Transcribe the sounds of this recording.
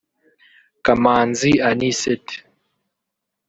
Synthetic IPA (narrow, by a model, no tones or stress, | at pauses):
kamanzianisɛt